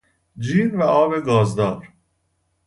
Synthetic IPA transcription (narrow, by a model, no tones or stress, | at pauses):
d͡ʒiːɾvæʔɒːbeɡɒːzd̪ɒːɾ